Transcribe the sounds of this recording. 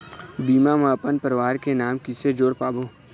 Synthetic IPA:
biːmamãːpənpəɾʋaːɾkenaːmkɪsed͡ʒoːɽpaːboː

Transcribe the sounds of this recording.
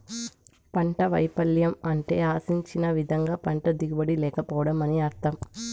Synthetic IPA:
pɐɳʈɐʋɐjpɐljɐmɐɳʈe̞ːaːsiɲt͡ʃinɐʋid̪ʱɐŋɡaːpɐɳʈɐd̪iɡubɐɽilɛːkɐpɔːɐɽɐmɐniɐɾt̪ɐm

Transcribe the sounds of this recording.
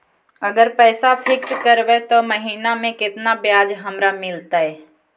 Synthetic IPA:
əɡəɾpɛːsapʰɪkskəɾbet̪oməɦiːnamẽkɪt̪nabjaːd͡ʒɦəmɾamɪlt̪aɦɛː

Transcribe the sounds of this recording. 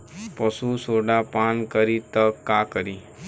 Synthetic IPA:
pəsũsoɖapankəɾit̪əkːakəɾi

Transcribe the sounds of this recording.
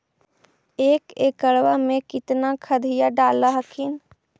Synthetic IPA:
ekekəɽʋamekit̪nakʰəd̪ʱijaɖalːəɦəkʰin

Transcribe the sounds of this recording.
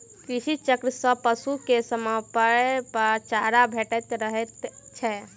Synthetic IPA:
kɾisit͡ʃəkɾəsəpəsukesəmapəɾpəɾt͡ʃaɾabʱeʈət̪ɾəɦɛt̪t͡ʃʰɛ

